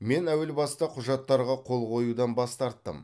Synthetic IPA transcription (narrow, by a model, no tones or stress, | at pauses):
me̞næwɪlbɑst̪ɑqʰʊʒɑt̪ːɑɾʁɑqʰo̞lˠqʰo̞jud̪ɑnbɑst̪ɑɾt̪ːə̰m